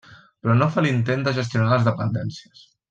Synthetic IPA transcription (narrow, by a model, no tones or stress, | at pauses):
pɾɔnofalint̪end̪əʒəs̬t̪ijunaləzðəpənd̪ɛnsiəs